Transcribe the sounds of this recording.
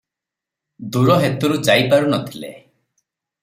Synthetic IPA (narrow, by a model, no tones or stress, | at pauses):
d̪uɾɔɦet̪uɾud͡ʒajpaɾunɔt̪ʰilḛ